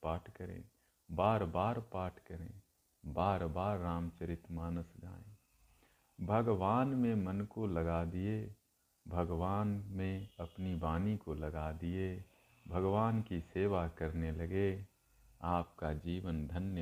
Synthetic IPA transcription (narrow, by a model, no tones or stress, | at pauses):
paːʈʰkəɾḛ̃ː | baːɾbaːɾpaːʈʰkəɾḛ̃ː | baːɾbaːɾːaːmt͡ʃəɾɪt̪maːnəsɡa̰ːẽː | bʱɐɡʋaːnmẽmənkolɐɡad̪ie | bʱɐɡʋaːnmẽɐpnibaːnikolɐɡad̪ɪe | bʱɐɡʋaːnkiseːʋakɐɾneləɡe | aːp̚kad͡ʒiːʋənd̪ʱənjə